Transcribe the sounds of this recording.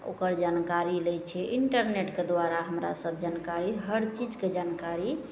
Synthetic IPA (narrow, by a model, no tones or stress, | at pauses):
o̰kəɾd͡ʒankaɾilɛjt͡ʃʰɛʔiɳʈəɾneʈked̪ʋaɾaɦəmɾa̰səbʱd͡ʒankaɾiɦəɾt͡ʃid͡ʒked͡ʒankaɾi